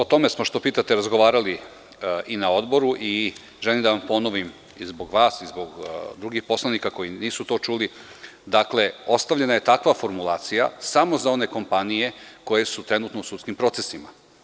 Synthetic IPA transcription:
o̞t̪o̞me̞smo̞ʃt̪o̞piːt̪at̪eɾazɡoʋaːɾali | ʔinao̞d̪bo̞ɾuʔi | ʒe̞limd̪aʋampo̞no̞ʋim | izbo̞ɡʋaːsizbo̞ɡd̪ɾuɡixpo̞slˠanikako̞jiniːsut̪o̞ːt͡ʃuli | d̪akle̞o̞st̪aʋʎe̞naje̞t̪akʋafo̞ɾmulˠaːt̪sija̰samo̞zao̞ne̞ko̞mpanije̞ko̞je̞sut̪ɾe̞nuːt̪nousut̪skimpɾo̞t̪sesima̰

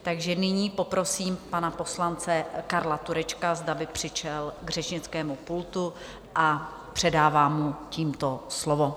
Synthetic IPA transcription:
t̪aɡʒɛnɪɲiːpo̞pɾo̞siːmpanapo̞slant͡sɛkaɾlat̪uɾɛt͡ʃkazdabɪpr̝̥ɪʃɛlɡr̝ɛʃɲɪt͡skɛːmupult̪u | ʔa | pr̝̥ɛdaːvaːmuciːmt̪o̞slovo

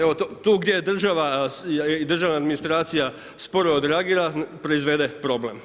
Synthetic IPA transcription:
eʋot̪ot̪uːɡd̪jed̪r̩ʒaʋa | id̪r̩ʒaʋnaːd̪minist̪ɾaːt̪sija | spo̞ɾood̪ɾeaɡiːɾapɾo̞izʋe̞d̪epɾo̞blem

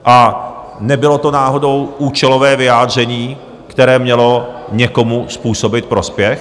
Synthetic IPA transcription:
ʔa | nɛbɪlo̞t̪o̞naːɦo̞do̞wʔuːt͡ʃɛlo̞vɛːvɪjaːd̪r̝ɛɲiː | kt̪ɛɾɛːmɲɛlo̞ɲɛko̞muspuːso̞bɪt̪̚pɾo̞spjɛx

